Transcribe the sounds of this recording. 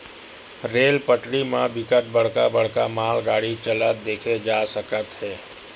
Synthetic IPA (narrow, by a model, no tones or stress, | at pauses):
ɾeːlpəʈɽimãbɪkəʈ̚ʰbəɽ̤kabəɽ̤kamaːlɡaːɽit͡ʃələd̪eːkʰed͡ʒaːsəkət̪ɦɛː